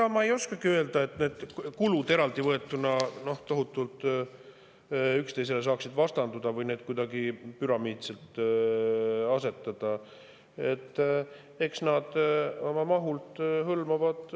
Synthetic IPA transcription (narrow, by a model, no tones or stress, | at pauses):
ɑmɑejo̞skɑɡ̥iye̞ld̪̥ɑe̞t̪ne̞ːd̪̥kulud̪̥e̞ɾɑld̪ivɤ̞e̞t̪ːˑunɑno̞ht̪o̞ɦut̪ːˑult̪ˑ | ykst̪e̞js̬e̞le̞s̬ɑːksid̪vɑst̪ɑnd̪ud̪ɑvɯjne̞ːd̪̚kujd̪ɑɡipyɾɑmiːt̪se̞lt̪ | ɑse̞t̪ːˑɑd̪̥ɑ | e̞t̪ː | e̞ksnɑd̪̥o̞mɑmɑɦult̪hɤlmɑvɑd̪̥